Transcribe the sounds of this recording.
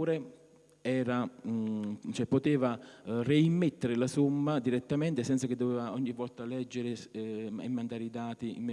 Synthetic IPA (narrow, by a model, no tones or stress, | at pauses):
ɾe | ɛːɾa | t͡ʃɛpːot̪eːvareimːet̪ːeɾɪlasumːad̪iɾɛt̪ːamɛnt̪ɪsɛnsak̟ɪd̪ːovɛːvaɔɲːivːɔlt̪alɛd͡ʒːeɾɪḛmːand̪aːɾid̪aːt̪iḭmːe